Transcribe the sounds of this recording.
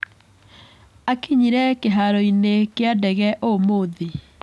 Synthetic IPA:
akiɲiɾɛkeɦaɾɔinekeadɛɣɛʔomoðe

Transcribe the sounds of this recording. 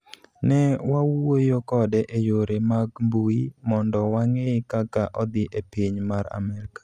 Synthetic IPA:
nɛwawojokɔdɛʔejoɾemaɡmbuimɔndɔwaŋekakaʔɔd̪ɪʔepiɲmaɾa̰mɛɾkḁ

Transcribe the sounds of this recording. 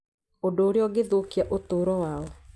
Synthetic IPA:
ondoːɾeɔɡeðokiaʔotoːɾɔwaɔ

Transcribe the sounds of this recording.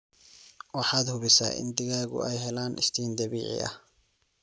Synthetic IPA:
wɑħɑːd̪hʊβɪsa̰ːʔɪ̰nd̪ɪɣaːɣʊ̰ɛjɦɛlaːnʔɪ̰st̪ʰiːnd̪ɐβiːʕɪ̰ʔɐ̰h

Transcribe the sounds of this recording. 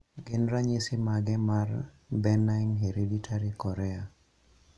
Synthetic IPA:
ɡɪnɾaɲisɪmaɡɛmar | bɛnaŋɦeɾeditʰaɾikɔɾɛa

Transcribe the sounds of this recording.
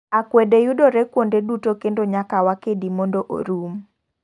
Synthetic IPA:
akwɛdejudoɾɛkwondedutokendoɲakawakedimɔndoʔo̰ɾum

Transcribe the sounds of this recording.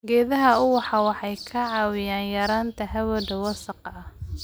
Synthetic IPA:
ɡɛːðɐɦɐʊwɑħɑwɑħɑjkʰɐʕɑːwɪjaːnjɐɾaːnt̪ʰɐɦɐwɐɖɐwɐsɐqɑɐh

